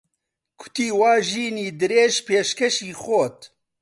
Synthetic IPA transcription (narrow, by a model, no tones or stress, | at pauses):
kʰʊ̥t̪iːwaːʒiːniːd̪ɨɾeːʒpeːʃkɛʃiːxoːt̪